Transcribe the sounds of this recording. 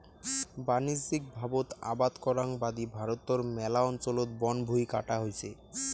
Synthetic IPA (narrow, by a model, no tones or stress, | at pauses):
banid͡ʑd͡ʑik̚bʱabot̪a̰bad̪kɔɾaŋbad̪ibʱaɾot̪ːoɾmɛlaɔnt͡ɕolot̪bɔnbʱujka̰ʈaɦojt͡ɕʰe